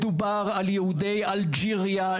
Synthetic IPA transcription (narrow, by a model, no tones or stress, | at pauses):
d̪ubaʁaljeud̪ɛjald͡ʒiʁja